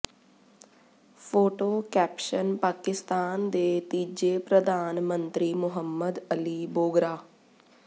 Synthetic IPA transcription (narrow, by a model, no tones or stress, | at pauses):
pʰoːʈoːkɛːpʃənpaːkɪst̪aːnd̪eːt̪iːd͡ʒeːpɾəd̪aːnmənt̪ɾiːmʊɦəmːəd̪əliːboːɡɾaː